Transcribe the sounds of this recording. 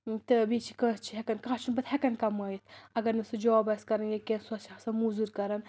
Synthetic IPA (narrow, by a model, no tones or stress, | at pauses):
t̪ɨbit͡ʃʰi̥kəːst͡ʃʰiɦekɐnkãːt͡ʃʰunbɐt̪hekɐnkɐmɐit̪ʰɐɡɐɾnisɨd͡ʒoːbɐskɐɾɐnɡʲekʲensuɐt͡ʃʰɐsɐmuzuɾkɐɾɐn